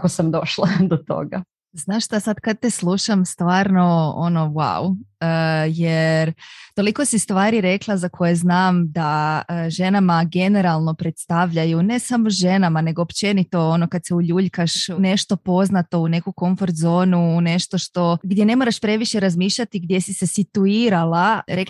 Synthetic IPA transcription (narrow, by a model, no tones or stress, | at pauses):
kosamd̪o̞ʃlˠad̪ot̪o̰ɡa | znaːʃʃt̪asad̪kad̪̚t̪eslˠuʃamst̪ʋaːɾno̞o̰no̞wa̰wəjeɾt̪o̞liko̞sist̪ʋaːɾiɾe̞klˠazakʰo̞je̞znaːmd̪aəʒe̞namaɡe̞ne̞ɾalˠno̞pɾe̞t̪st̪aʋʎajune̞samoʒe̞namane̞ɡo̞ːpt͡ʃe̞nit̪o̞ono̞kad̪seuʎuːʎkaʃne̞ʃt̪o̞po̞znat̪o̞une̞kuko̞ɱfo̞ɾt̪zo̞ːnune̞ʃt̪o̞ʃt̪o̞ɡd̪je̞ne̞moɾaʃpɾe̞ʋiʃe̞ɾazmiːʃʎat̪iɡd̪je̞sise̞sit̪uiːɾalaɾe̞k